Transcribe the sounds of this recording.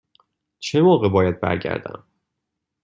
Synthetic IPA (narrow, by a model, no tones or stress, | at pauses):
t͡ʃʰe̞moːɣebɒːjæd̪̚bæ̰ɾɟæ̰ɾd̪æ̰m